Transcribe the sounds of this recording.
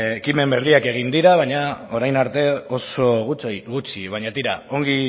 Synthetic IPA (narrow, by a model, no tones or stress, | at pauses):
kime̞mbeɾðiake̞ɣ̞ind̪iɾaβ̞aɲao̞ɾajnaɾt̪e̞o̞so̞ɣuɣut͡ʃiβ̞aɲat̪iɾa̰o̞ŋɡi